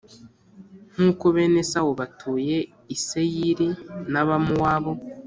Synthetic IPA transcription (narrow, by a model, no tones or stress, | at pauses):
ŋ̥uːkoβe̞ːne̞sawoβatʰuːje̞ | isejiɾinaβamuwaβo̞